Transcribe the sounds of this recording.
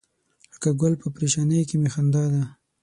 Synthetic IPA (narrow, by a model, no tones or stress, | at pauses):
ləkaɡʊlpəpɾeʃanəjkemexand̪ɑd̪a